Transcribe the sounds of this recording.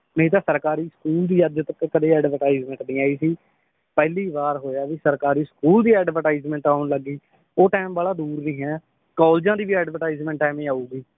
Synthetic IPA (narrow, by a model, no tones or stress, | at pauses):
məɦĩːt̪̬aːsəɾkaːɾiːsə̥kuːld̪iːəd͡ʒt̪əkkəd̪eːɛːɖʋəɾʈaːizmɛ̃ɳʈnĩːaːiːsiː | pɛːliːbaːɾɦoːjaːʋiːsəɾkaːɾiːskuːld̪iːɛːɖʋəʈaːizmɛ̃ːɳʈaːʊnləɡiː | oːʈɛːmbaːlaːd̪uːɾnĩːɦɛː | kɔːld͡ʒãːd̪iːʋiːɛːɖʋəʈaːiːzmɛ̃ːɳʈɛːmẽːaːuːɡiː